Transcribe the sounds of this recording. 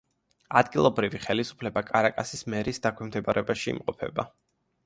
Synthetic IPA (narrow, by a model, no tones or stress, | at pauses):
ad̪ɡilˠɔbɾiviχɛlisu̥pʰlɛbakʼaɾakʼasismɛɾisd̪akʰwɛmd̪ɛbaɾɛbaʃiḭmqʼɔpʰɛ̰ba